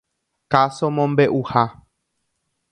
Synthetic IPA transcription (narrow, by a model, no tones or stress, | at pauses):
kasõmõmbe̞ʔuha